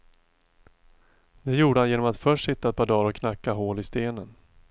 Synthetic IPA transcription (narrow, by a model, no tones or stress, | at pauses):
d̪̥ɛjuːɖəhanjeːnɔmat̪fœʂʈːsɪt̪ːaɛt̪̚pʰɔːd̪ɑːɾɔkʰnakːaɦoːlɪst̪eːnən